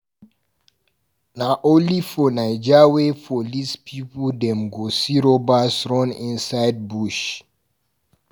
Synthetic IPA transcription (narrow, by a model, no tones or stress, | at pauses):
naʔolifɔnajd͡ʒawefɔlispʰipɔldɛ̃mɡosiɾobasɹɔ̃nḭ̃nsajd̚buʃ